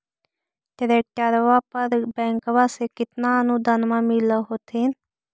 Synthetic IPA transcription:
ʈɪɾeːk̚ʈəɾʋaːpəɾbɛ̃ːŋkʋaːsekɪt̪nãːnũːd̪ənmãːmɪloɦoːt̪ʰɪn

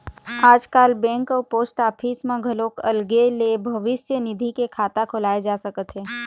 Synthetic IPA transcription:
aːd͡ʒkaːlbɛ̃ːŋkɔːɾpoːsʈaːpʰiːsmãɡʱɐloːkɐ̰lɡelebʱɐʋɪsjənɪd̪ʱikekʰaːt̪akʰʊlaːed͡ʒaːsɐkət̪ɦɛː

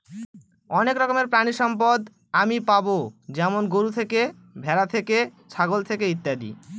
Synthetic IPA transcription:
ɔnekɾɔkomeɾpɾañiʃɔmpod̪ | amipabod͡ʑɛmonɡoɾut̪ʰeke | bʱɛɾat̪ʰekeʃʰaɡolt̪ʰekeit̪ːad̪ḭ

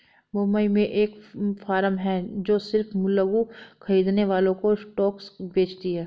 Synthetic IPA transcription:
mʊməimẽʔeːkfaːɾəmɦɛd͡ʒoːsɪɾfmʊlːəɡuxɐɾiːd̪neʋaːlõkosʈɔːksbeːt͡ʃt̪iɦɛː

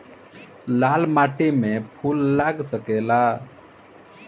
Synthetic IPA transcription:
laːlmaːʈemẽpʰuːlːaːɡsəkela

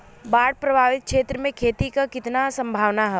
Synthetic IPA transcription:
baːɽ̚pɾɐbʱaːʋɪt̪̚kʃeːt̪ɾəmẽkʰeːt̪ikakɪt̪nasɐ̃mbʱaːʋnaɦɛ

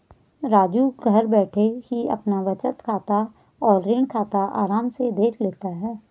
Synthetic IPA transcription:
ɾaːd͡ʒuɡʱɐɾbɛːʈʰekiɐ̰pnaʋɐt͡ʃət̪kʰaːt̪a | ɔːɾːɪɳkʰaːt̪aʔa̰ːɾaːmsed̪eːkʰleːt̪aɦɛː

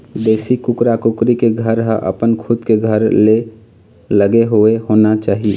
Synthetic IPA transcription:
d̪esikukɾakukɾikeɡʱəɾɦəʔə̰pənkʰud̪keɡʱəɾle | ləɡeɦoeɦonat͡ʃaːɦi

